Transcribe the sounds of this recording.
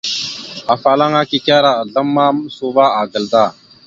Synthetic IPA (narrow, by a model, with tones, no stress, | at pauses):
a˨fa˨la˦ŋa˦ki˦kʲa˦ɾa˦ə˨ɮə˦mːa˦msu˦ba˦a˨ɡə˨ld̪a˦˨